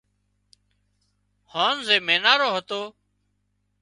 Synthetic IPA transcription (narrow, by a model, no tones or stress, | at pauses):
hoːnzeːmeːnaːɾoːɦət̪oː